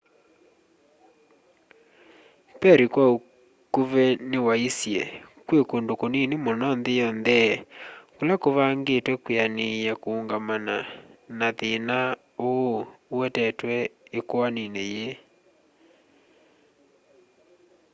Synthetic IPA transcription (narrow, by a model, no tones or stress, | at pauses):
pɛɾikwao | kuβɛnewaisjɛ̰kwekondokoninemɔnɔnðejɔnðɛ | kolakoβaŋɡetwɛkweanejakoːŋɡamananaðena | ouwɛtɛtwɛekoanineje